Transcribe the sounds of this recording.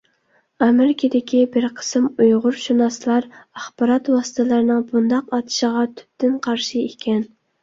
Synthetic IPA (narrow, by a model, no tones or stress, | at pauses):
ɑmeɾɪkʲʰɪd̪ɪkʲʰibɪɾqʰə̥smujʁʊɾʃunɑslˠɑɾɑχb̥ɑɾɑt̪wɑsɨ̥t̪ʰɨlˠɑɾɨnɨŋbund̪ɑqɑt̪ʰɨ̥ʃəʁɑt̪ʰy̥p̚t̪ɪnqʰɑɾʃiekʲʰɛn